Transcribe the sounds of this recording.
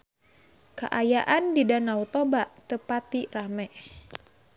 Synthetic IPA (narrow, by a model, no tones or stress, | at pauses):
ka̰ʔajaʔandidanaut̪obaʔt̪əpat̪iramɛ